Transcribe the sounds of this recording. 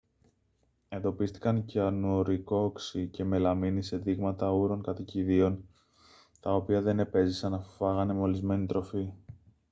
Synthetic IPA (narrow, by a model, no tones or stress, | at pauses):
e̞nd̪o̞pist̪i̥kɐnceɐnuɾiko̞ksice̞me̞lɐminise̞ðiɣmɐt̪ɐuɾo̞ŋkɐt̪iciðio̞n | t̪ɐo̞piɐðe̞ne̞pe̞zisɐnɐffɐɣɐne̞meo̞lizme̞nit̪ɾo̞fi